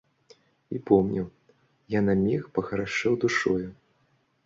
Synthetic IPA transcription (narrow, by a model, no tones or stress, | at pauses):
ipɔmnʲʔiw | janamʲixpɐɣɐɾaʂɨwd̪uʂɔju